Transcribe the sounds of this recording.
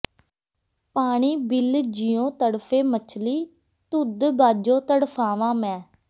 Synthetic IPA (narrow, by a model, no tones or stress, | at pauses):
paːɽ̃iːbɪld͡ʒiːjõːt̪əɽpʰeːmət͡ʃʰliː | t̪ʊd̪baːd͡ʒõːt̪əɽpʰaːʋãːmɛ̃ː